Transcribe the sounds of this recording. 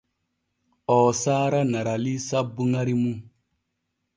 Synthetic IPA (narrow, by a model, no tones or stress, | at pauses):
ɔːsaɾanaɾalisabuŋaɾimu